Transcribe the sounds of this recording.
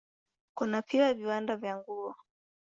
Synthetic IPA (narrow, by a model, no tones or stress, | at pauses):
kunapʰiwaviwandavjaŋɡuɔ